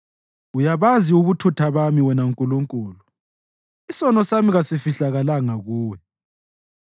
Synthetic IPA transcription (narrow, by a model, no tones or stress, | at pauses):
ujaβaziuβutʰutʰaβamiwɛnauŋkʼuluŋkʼuːlu | isɔnɔsamiɣasifiɬaɣalaŋaɣuːwɛ